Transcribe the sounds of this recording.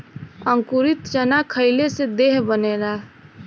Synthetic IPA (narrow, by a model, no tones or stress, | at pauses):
ə̃ŋkʊɾɪt̪t͡ʃənakʰəɪlesed̪eːɦbəneːlaː